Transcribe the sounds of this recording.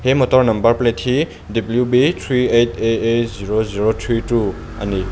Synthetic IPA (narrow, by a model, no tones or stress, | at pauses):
hemɔtɔɾnɐmbɐɾpletʰi | dibljubitʰɾiejtʰeeziɾoziɾotʰɾitu | a̰ni